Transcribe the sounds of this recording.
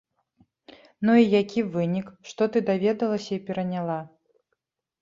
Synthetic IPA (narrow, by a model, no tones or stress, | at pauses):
nuijakʲivɨnʲikʂt̪ɔt̪ɨd̪avʲɛd̪ɐlˠɐsʲɐipʲɛɾɐnʲalˠa